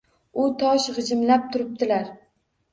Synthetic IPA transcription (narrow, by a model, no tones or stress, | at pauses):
ʊt̪ʰɒʃʁɨd͡ʒɪmlap̚t̪ʰʊɾɪp̚t̪ʰɪlaɾ